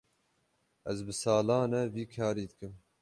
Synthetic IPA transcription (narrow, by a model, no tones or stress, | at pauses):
ɛzbɨsɑːlɑːnɛviːkʰɑːɾiːd̪ɨkɨm